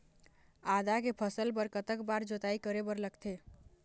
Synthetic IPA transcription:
ad̪akepʰəsəlpəɾkət̪əkbaɾd͡ʒot̪aikəɾebəɾləkt̪ʰe

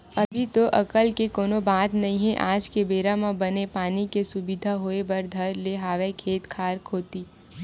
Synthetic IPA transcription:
ɐbʱit̪oʔɐkəlkekoːnobaːt̪nɐɦĩɦɛʔaːd͡ʒkebeːɾamãbɐnepaːnikesʊbid̪ʱaɦoːebɐɾd̪ʱɐɾleɦaːʋekʰeːt̪kʰaːɾkʰoːt̪iː

